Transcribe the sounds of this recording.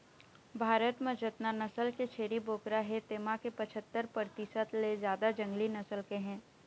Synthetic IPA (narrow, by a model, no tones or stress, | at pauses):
bʱaːɾət̪mẽd͡ʒət̪nanɐsəlket͡ʃʰeːɽiboːkɾaɦɛt̪eːmakepɐt͡ʃʰət̪ːəɾpəɾt̪ɪsət̪lezjaːd̪ad͡ʒɐ̃ŋɡlinɐsəlkeɦɛ̃ː